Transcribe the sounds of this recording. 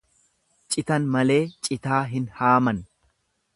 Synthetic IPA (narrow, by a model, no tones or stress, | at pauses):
t͡ʃʼɪt̪ɐnmɐle̞ːt͡ʃʼɪt̪aːɦɪnhaːmɐn